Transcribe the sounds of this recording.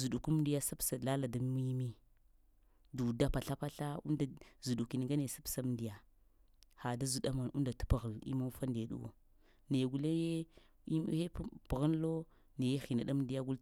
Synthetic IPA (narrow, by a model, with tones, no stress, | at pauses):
zu˨ɗu˨ku˦m˦ndi˦ja˦sa˦psa˨la˦la˨da˨m˦mi˦jmi˦ | du˨da˦pa˨ɬa˦pa˦ɬa˦ṵ˦nda˨zu˨ɗu˨ki˨n˨ŋɡa˦ne˨sa˦psa˦m˨ndi˨ja˨ | ha˨da˦zu˨ɗa˦ma˨nu˦nda˨tu̥˦pa˨ɣə˨lḭ˦ma˦fa˦nde˨ɗṵ˦wo̰˨ | ne˨ɡu˨le˦je˦ | i˦m̰˦he˦pb̥ɣa˦n˦lo˦ | ne˨je˦xi˨na˨ɗa˦m˦di˨˦ja˦ɡu˦l